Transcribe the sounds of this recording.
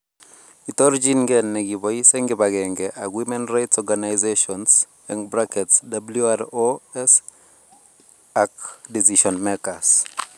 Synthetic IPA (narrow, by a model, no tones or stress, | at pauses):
itɔɾd͡ʒinɡɛnːɛɡibɔisɛŋɡɪbaɡɛŋɡɛʔaɡwimɛnɾajtsɔɡanajzeʃɔns | ɛŋbɾakɛtsdabljuaɾoɛs | akdisiʃɔnmɛkas